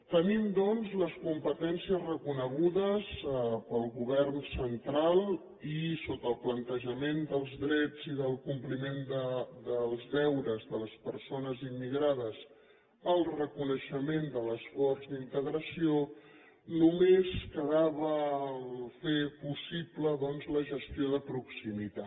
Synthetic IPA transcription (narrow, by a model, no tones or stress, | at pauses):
t̪ənimd̪ɔnzləskumpət̪ɛnsiəzrəkunəɣ̞uðəspəlˠɣuβ̞ɛrnsənt̪ɾalˠ | isot̪əlˠplənt̪əʒəmend̪əlˠzðɾɛd͡ziðəlˠkumplimend̪əd̪əlˠzðɛwɾəzðələspəɾsonəzimːiɣɾaðəs | əlˠrəkunəʃəmend̪ələsfɔrzd̪int̪əɣɾəsio | numeskəðaβə | fepusipləðɔnzləʒəst̪ioðəpɾuksimit̪a